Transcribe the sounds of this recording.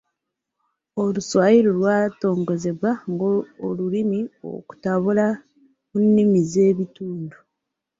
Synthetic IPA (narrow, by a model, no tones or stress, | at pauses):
oluswajiɾolwaːto̞ːŋɡo̞ze̞βwaŋɡoolulimio̰ku̥taβula | munːimize̞ːβituːndu